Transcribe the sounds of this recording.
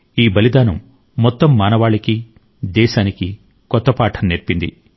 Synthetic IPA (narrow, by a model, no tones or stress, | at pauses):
iːbɐlid̪aːnɐmː | ɔt̪ːɐmːaːnɐʋaːɭɐki | d̪ɛːʃaːniki | kɔt̪ːɐpaːʈʰɐnneɾpind̪ḭ